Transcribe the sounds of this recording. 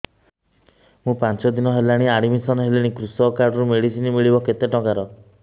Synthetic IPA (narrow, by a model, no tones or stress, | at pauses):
mũpant͡ʃɔd̪inɔɦelaɽ̃iaɽ̃imisɔnɦelaɽ̃ikɾusɔkaɾɖɔɾumeɽisinimiɭibɔket̪eʈɔkaɾɔ